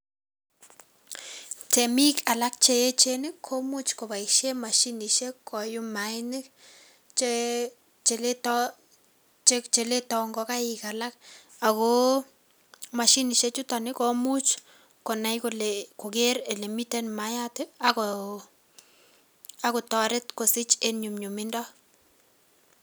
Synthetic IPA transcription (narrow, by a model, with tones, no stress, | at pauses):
te˨mi˦ka˨la˦k̚t͡ʃe˦e˦t͡ʃe˦nɪ˦kʰːo˦mu˦t͡ʃko˨ba˨i˨kʃe˦ma˨ʃi˦ni˨ʃe˦kʰːɔ˨jʊ˦maɪnɪ˦k | t͡ʃe | t͡ʃe˨ltɔ | t͡ʃet͡ʃe˨le˦tɔŋɡɔka˦ɪka˨la˦k̚ | a˨ko˦ | ma˨ʃi˦ni˨ʃe˦t͡ʃu˦ta˨nɪ˦ko˦mu˦t͡ʃ | kɔ˨na˨jkoleko˨k̬e˦ɾe˨li˨mi˦tɛ˦nma˨ja˦tɪ˦a˨ko | a˨kʊ˨tɔ˨ɾɪ˦tko˨sɪ˦t͡ʃe˦nɲu˨mɲu˨mɪ˦ndɔ˦